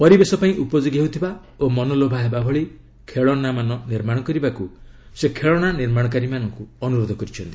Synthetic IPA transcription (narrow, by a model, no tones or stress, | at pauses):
pɔɾibesɔpaĩʔupɔd͡ʒoɡɦeɦut̪ʰiba | omɔnɔlobʱaɦebabʱɔɭi | kʰeɭɔnamanɔniɾmaɽ̃ɔkɔɾibakusekʰeɭɔɽ̃aniɾmaɽ̃ɔk̬aɾimanɔŋkuɔnuɾod̪ʱɔkɔɾit͡ʃʰɔnt̪i̥